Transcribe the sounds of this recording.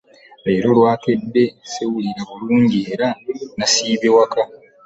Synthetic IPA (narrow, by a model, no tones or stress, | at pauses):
e̞ːɾo̞lwaːke̞dːe̞sewuliɾaβuluːɲɟieːɾanasiːβewaka